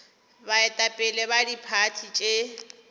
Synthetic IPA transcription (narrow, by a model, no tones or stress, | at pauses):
baɛtʼapʼɪlɛbadipʰatʰit͡ʃʼe